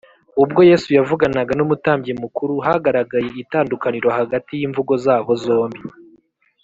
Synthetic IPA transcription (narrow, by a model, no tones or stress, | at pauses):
ub̚ɡo̞je̞ːsujavuɡanaɡanumutaːmbɟemukuɾuɦaɡaɾaɡaje̞itaːndukaniɾo̞haɡatijiːɱvuɡo̞zaːβo̞zo̞ːmbi